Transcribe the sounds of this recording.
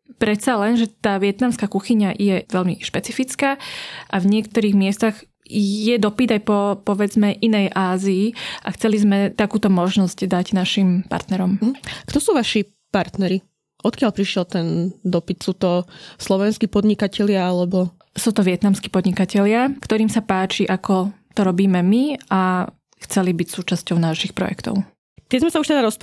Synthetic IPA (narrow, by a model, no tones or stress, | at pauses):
pɾɛt̪salɛnʒɛt̪aːʋɪɛt̪namskakuxiɲajɛʋɛlmiʃpɛt͡sifit͡skaːʔavɲɪɛkt̪ɔɾiːɣmɪɛst̪aɣ | jɛd̪ɔpid̪ajpɔpɔʋɛd͡zmɛʔinɛjʔaːziːʔaxt͡sɛlizmɛt̪akuːt̪ɔmɔʒnɔzcd̪aɟnaʃimpa̰ɾt̪nɛɾɔm̩kt̪ɔsuːʋaʃi | paɾt̪nɛɾi | ʔɔt̪kɪaʎpɾiʃɪɛlt̪ɛnd̪ɔpit̪suːt̪ɔslɔʋɛnskiːpɔd̪ɲikacɛʎɪaalɛbɔ | suːt̪ɔʋɪɛt̪namskiːpɔd̪ɲikacɛʎɪakt̪ɔɾiːmsapaːt͡ʃiʔakʰɔt̪ɔɾɔbiːmɛmia | xt͡sɛlibicsuːt͡ʃascɔʊnaːʃixpɾɔ̰jɛ̰kt̪ɔ̰ʊ | t̪ɪɛzmɛsauʃt̪ɛd̪aɾɔs